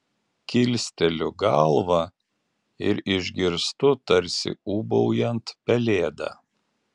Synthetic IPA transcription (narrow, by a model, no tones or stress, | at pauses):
kʲɪlʲsʲt̪ʲɛlʲʊɡɐlˠʋɐ | ɪɾɪʒʲɡʲɪɾst̪ʊt̪ɐɾʲsʲɪ̰uːbɔʊjɛnt̪pʲɛlʲeːd̪ɑ̰ː